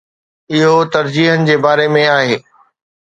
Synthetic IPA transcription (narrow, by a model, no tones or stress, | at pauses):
ɪɦot̪ɐɾd͡ʑiːɦənɪ̆d͡ʑeːbaːɾemẽaːɦeː